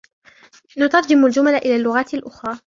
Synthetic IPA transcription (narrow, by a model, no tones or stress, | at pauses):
nʊt̪ɑɾˤd͡ʒɪmʊld͡ʒʊmalaʔɪlaːlːʊɣaːt̪alʔʊxɾˤɑː